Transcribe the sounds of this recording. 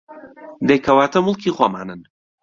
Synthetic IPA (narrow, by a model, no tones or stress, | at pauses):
d̪ejkʰɐwaːt̪ʰɐmʊlˠkʰiχwama̰ːnɨn